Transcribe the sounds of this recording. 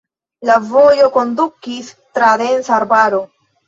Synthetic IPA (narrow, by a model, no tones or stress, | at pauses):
lavo̞jo̞ko̞ndukis | tɾade̞nsaːɾbaɾo̞